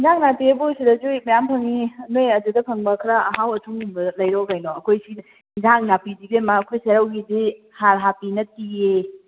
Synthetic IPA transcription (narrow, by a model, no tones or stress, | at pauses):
zaŋnapiɐbusidɐd͡ʒumɐjampʰɐŋiɐnojɐdudɐpʰɐŋbɐkʰɾɐɐɦawɐtʰuŋumbɐlɐjɾɔɡajnɔɐkʰojsi | zaŋnapidibemaːkʰojseɾawɡidi | haɾɦapinɐtie